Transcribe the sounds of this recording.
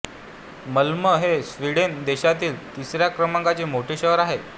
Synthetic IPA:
məlməɦesʋiɽend̪eɕat̪iːlt̪isɾjakɾəmãŋkat͡semoʈʰeɕəɦəɾaɦe

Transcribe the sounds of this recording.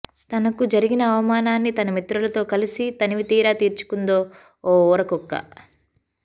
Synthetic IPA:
t̪ɐnɐkud͡ʒɐɾiɡinɐːʋɐmaːnaːnːit̪ɐnɐmit̪ɾulɐt̪o̞ːkɐlisit̪ɐniʋit̪iːɾaːt̪iːɾt͡ʃu̥kund̪o̞ː | ɔːɔːɾɐkɔkːɐ̰

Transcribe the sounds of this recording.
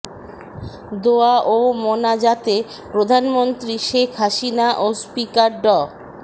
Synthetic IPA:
d̪oaʔomonad͡ʑat̪e | pɾod̪ʱanmont̪ɾiʃekʰɦaʃinaʔospikaɾɖɔ

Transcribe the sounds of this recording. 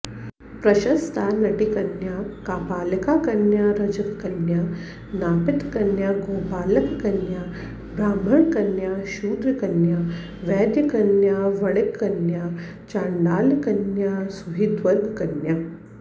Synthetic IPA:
pɾɐʃɐst̪ʰaːnɐʈikɐnjaːkaːpaːlɐkaːkɐnjaːɾɐd͡ʒɐkɐkɐnjaː | naːpɪt̪kɐnjaːɡoːpaːlɐkɐkɐnjaː | bɾaːmbʱɐɳkɐnjaːʃuːd̪ɾikɐnjaː | ʋɛːd̪jɐkɐnjaːʋɐɽekːɐnjaː | t͡ʃaːɳɖaːlɐkɐnjaːsuɦid̪ʋɐɾɡkɐnja

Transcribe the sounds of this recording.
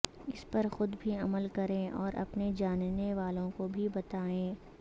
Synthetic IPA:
ɪspɐɾxʊd̪bʱiɐməlkɐɾẽːʔɔːɾʔɐ̰pned͡ʒaːnneʋaːlõkobʱibɐt̪aːẽː

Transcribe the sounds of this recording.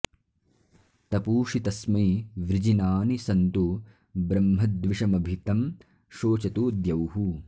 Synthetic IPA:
t̪ɐpuːʂit̪ɐsmɐjʋɾid͡ʒinaːnisɐnt̪u | bɾɐmɦɐd̪ʋiʂɐmɐbʱit̪ɐm | ʃoːt͡ʃɐt̪uːd̪jɐwɦu

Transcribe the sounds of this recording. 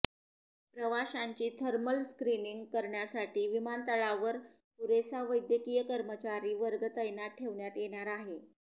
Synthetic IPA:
pɾəʋaɕaɲt͡ɕiːt̪ʰəɾməlskɾiniŋɡkəɾɳjasaʈiːʋimant̪əɭaʋəɾ | t̪uɾesaʋəjd̪jəkiːjəkəɾmət͡ɕaɾiːʋəɾɡət̪əjnaʈʰːeʋɳjat̪jeɽ̃aɾaɦe

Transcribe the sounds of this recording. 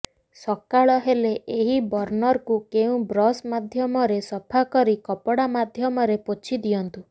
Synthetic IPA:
sɔkaɭɔɦeleʔeɦibɔɾnɔɾkukeũbɾɔsmad̪ʱjɔmɔɾesɔpʰakɔɾikɔpɔɽamad̪ʱjɔmɔɾepot͡ʃʰid̪ijɔnt̪u

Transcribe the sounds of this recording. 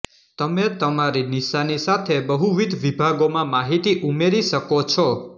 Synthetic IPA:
t̪əmet̪əmaɾiniʃanisat̪ʰebəɦuʋid̪ʱʋibʱaɡomãmaɦit̪iʔumeɾiʃəkot͡ʃʰɔ

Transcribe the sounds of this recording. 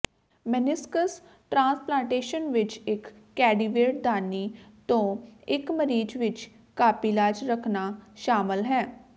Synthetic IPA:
mənɪskəs | ʈɾãːsplãːɳʈeːʃənʋɪt͡ʃɪkːɛːɖiːʋeːʈ̚d̪ʱaːniːt̪õːɪkməɾiːd͡ʒʋɪt͡ʃ | kaːpiːlaːd͡ʒɾəkʰnaːʃaːmɪlɦɛː

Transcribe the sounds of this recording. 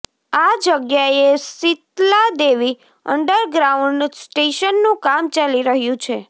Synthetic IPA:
ad͡ʒəɡjaesit̪lad̪eʋi | ə̰ɳɖəɾɡɾauɳɖsʈeʃənːũkamt͡ʃaliɾəɦjũt͡ʃʰe

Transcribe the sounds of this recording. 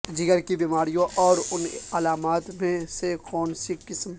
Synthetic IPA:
d͡ʒɪɡəɾkibiːmaːɾijõʔɔːɾʊnɐlaːmaːt̪mẽsekɔːnsikɪsm

